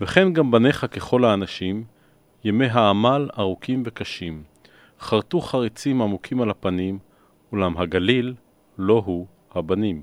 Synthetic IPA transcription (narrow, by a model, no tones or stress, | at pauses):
veχe̞nɡambaneχake̞χo̞lhaːnaʃim | jeme̞ɦaːmalaʁukʰimve̞kaʃim | χaʁt̪uχaʁit͡simamukʰimalhapanim | ulamɦaɡalilː | o̞ɦu | habanim